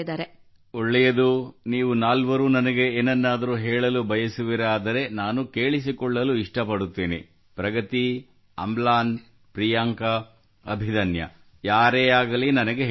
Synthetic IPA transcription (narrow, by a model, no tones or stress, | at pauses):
d̪aːɾe | oɭːɛjɐd̪uniːʋunaːlʋɐɾuːnɐnɐɡe̞eːnɛnːaːd̪ɐɾuɦɛːɭɐlubʱɐjɐsuʋiɾaːd̪ɐɾe̞naːnuke̞ːɭis̬ikɔɭːɐluiʂʈɐpɐɽut̪ːiːnḭ | pɾɐɡɐt̪i | ɐ̰mblaːn | pɾijaːŋkɐ | ɐ̰bʱid̪ɐnjɐ̰ | jaːɾeːaːɡɐlinɐnɐɡe